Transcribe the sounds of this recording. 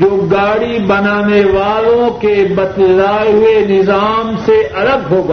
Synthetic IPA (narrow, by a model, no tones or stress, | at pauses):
d͡ʒoːɡaːɽibɐnaːneʋaːlõkebɐt̪laːɦenɪzaːmseʔɐləɡɦoːɡaː